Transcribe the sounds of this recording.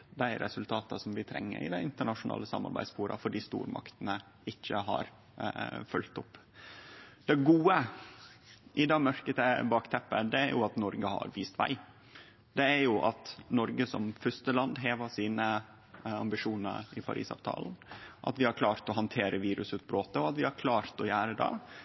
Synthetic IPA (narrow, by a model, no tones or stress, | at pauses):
d̪ɛɪɾɛsʉlt̪ʰɑːt̪ɑsɔmʋɪt̪ʰɾɛ̰ŋːə̰ɾɪ̰d̪æɪnt̪əɳɑʂʊnɑ̰ːləsɑmːɑ̰ɾbæ̰ɪd̪spuːɾɑ̰fɔɖiːst̪ṵːɾmɑ̰kt̪nə | ɪçːəɦɑ̰ɾ | fʉlt̪ʊpː | d̪̥ɛɡuːə | ʔɪd̪ɑmœɾkət̪əbɑːkt̪ʰɛpːəd̪ɛæɾjʊɑt̪nɔɾɡəhɑ̰ɾʋiːst̪ʋæ̰ɪ | d̪ɛæɾjʊʔɑt̪nɔɾɡəsɔmfʏst̪əlɑnd̪ɦeːʋɑsiːnə | ɑmbɪʂuːnə̰ɾɪpʰɑ̰ɾʔḭːsɑ̰ːʋt̪ʰɑ̰ːln̩ʔɑ̰t̪ʋɪhɑɾklɑːɾt̪ɔhɑnt̪ʰeːɾʔəʋiːɾʉsʉːt̪̚bɾoːt̪əɔɑt̪ʋɪhɑɾkʰlɑːɾt̪ɔjæːɾəd̪ɛ̰